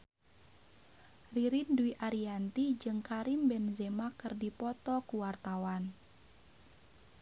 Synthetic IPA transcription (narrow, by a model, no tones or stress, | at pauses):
riɾinduiʔaɾiant̪id͡ʒɨŋkaɾimbɛnzemakɨrdipɔt̪ɔkuwart̪awan